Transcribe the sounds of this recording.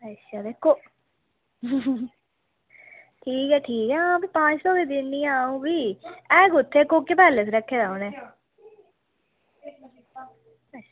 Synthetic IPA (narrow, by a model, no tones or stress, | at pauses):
ət͡ʃʰaːd̪eːkʰːoː | ʈʰiːkɛːʈʰiːkɛːãːbiːpãːt͡ʃsɔːkeːd̪ɪnːĩːaːũːbiːɛːɡʊt̪ʰːeːkoːkːepɛːlesɾəkʰːeːd̪aːoneː